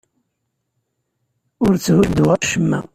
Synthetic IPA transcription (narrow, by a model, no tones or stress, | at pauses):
ʊɾt͡sːhʊld̪uaʃəmːæ̰